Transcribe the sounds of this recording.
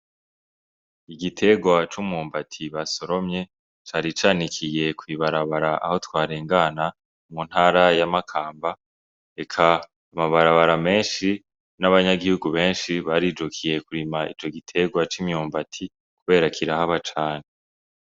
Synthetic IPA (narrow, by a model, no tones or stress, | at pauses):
iɡitʰe̞ɡwat͡ʃumuːmbatʰiβaso̞ɾo̞mɲe̞ | t͡ʃaɾit͡ʃaːnikʰije̞kwiβaɾaβaɾaʔa̰ho̞twaːɾeːŋɡaːna | mun̥haːɾajamakʰaːmba | e̞kʰa | amaβaɾaβaɾame̞ːnʃi | naβaɲaɡihuɡuβe̞ːnʃiβaɾiːd͡ʒukʰije̞kuɾimaḭt͡ʃo̞ɡitʰe̞ɡwat͡ʃimjuːmbatʰi | kuβe̞ːɾakʰiɾahaβat͡ʃaːne